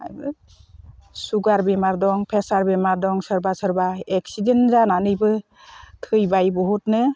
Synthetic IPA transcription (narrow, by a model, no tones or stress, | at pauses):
a̰jbɯ | suɡaɾbemaɾdɔŋpʰesaɾbemaɾdɔŋsɯɾbasɯɾbaek̚sidenzananɯjbɯ | tʰɯjbajbɔɦut̚nɯ